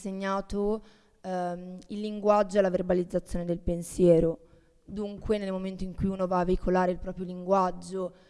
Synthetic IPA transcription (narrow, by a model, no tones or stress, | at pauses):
seɲːaːt̪o | ilːiŋɡwad͡ʒːoalːaverbalid̪zːat̪sjoːned̪elpensjɛːɾo | d̪uŋkwenelmoment̪oiŋkujunovaːvːeikʰolaːɾeilpɾɔːpɾjoliŋɡwad͡ʒːo